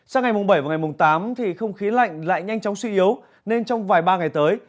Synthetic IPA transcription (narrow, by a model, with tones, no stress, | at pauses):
saː˧ŋa˨˩jmʊ˨˩ŋ͡mɓə˧˩jvaː˨˩ŋa˨˩jmʊ˨˩ŋ͡mt̪aː˨˦mt̪ʰi˨˩xə˧wŋ͡mxi˨˦ənla̰˧˨jŋ̟la̰ː˧˨jɲa˧jŋ̟t͡ɕɔ˨˦wŋ͡mswi˧ʔi˨˦əw | ne˧nt͡ɕɔ˧wŋ͡mvaː˨˩jɓaː˧ŋa˨˩jt̪əː˨˦j